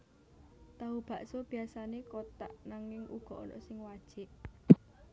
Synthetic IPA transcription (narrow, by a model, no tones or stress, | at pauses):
t̪aub̥ä̤ʔsob̥i̤asanekot̪a̰ʔnaŋɪŋʔṵɡ̥ɔ̤ɔ̰nɔ̰ʔsɪŋwad̥ʒ̥ɪʔ